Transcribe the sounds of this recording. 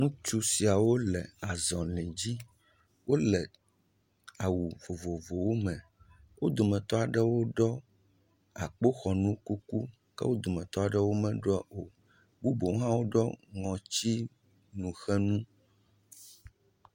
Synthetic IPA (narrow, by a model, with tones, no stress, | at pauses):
ŋũ˦t͡ʃu˦si˨a˨wo˦lɛ˨a˨zɔ̃˨lɛ̃˨d͡ʑi˦ | wʔo˦lɛ˨ | a˨wu˨vo˨vo˨vo˨wo˦mɛ̃˨ | wo˦d̪o˨mɛ̃˨t̪ɔ˦a˨ɖɛ˦wo˦ɖɔ˦ | a˨k͡po˦xɔ˨nũ˦ku˦ku˦ | kɛ̰˦wo˦d̪o˨mɛ̃˨t̪ɔ˦a˨ɖɛ˦wo˦mɛ̃˨ɖo˨ | bu˦bo˨wo˦ɦã˦wo˦ɖɔ˦ŋɔ̃˨t͡ɕi˦ | nũ˨xɛ˦nũ˦